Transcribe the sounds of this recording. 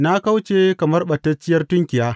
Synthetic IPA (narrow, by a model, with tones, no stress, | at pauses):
na˦ka˦wt͡ʃeː˨kɐ˨mɐ˦rɓɐ˨tːɐ˦t͡ʃːɪ˦jɐ˦rtʊ˦ŋkʲɪ˨jaː˦